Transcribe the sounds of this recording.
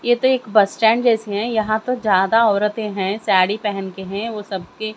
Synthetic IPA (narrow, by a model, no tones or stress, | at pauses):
jet̪oeːkbɐsʈɛ̃ːɳɖd͡ʒɛːseɦɛ̃jɐɦãt̪od͡ʒjaːd̪aɔːɾət̪ẽɦɛ̃saːɽipɛɦɛnkeɦɛ̃ʋoːsɐb̚ke